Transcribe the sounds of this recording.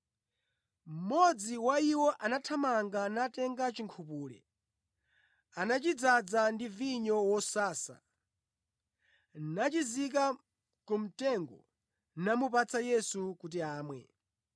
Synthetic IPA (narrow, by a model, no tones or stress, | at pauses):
m̩mːɔd͡ziwaiwɔʔanatʰamaŋɡanatɛŋɡat͡ʃiŋkʰupuːlɛ̰ | anat͡ʃid͡zad͡zandiviɲɔwɔsaːsa̰ | nat͡ʃizik̬a | kum̩tɛŋɡɔ̰ | namupat͡sʰajɛsukut̬iaːmwɛ̰